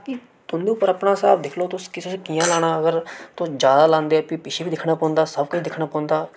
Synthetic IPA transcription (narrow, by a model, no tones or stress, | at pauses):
ki | t̪ʊ̃nd̪ĩːpəɾəpnãːsaːbd̪ɪkʰloːt̪ʊskɪsʊskijãːlaːɽ̃ãːəɡəɾt̪ʊd͡ʒjaːd̪aːlãːnd̪eːɛːpiːpɪʃʰeːbiːd̪ɪkʰɽaːpɔ̃ːnd̪aːsəbkʊt͡ʃʰd̪ɪkʰɽaːpɔ̃ːnd̪aː